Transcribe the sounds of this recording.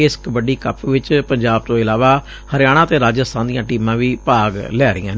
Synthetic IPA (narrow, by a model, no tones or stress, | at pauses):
ɪskbəɖiːkəpʋɪt͡ʃpəɲd͡ʒaːb̚t̪õːɪlaːʋaː | həɾɪjaːɽ̃ãːt̪eːɾaːd͡ʒəst̪ʰãːnd̪ijãːʈiːmãːʋiːpaːɡlɛːɾɪ̰jãː